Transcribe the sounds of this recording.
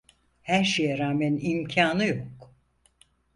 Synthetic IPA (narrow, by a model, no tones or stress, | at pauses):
hæɾʃejɛɾaːmænimcʰaːnɯjok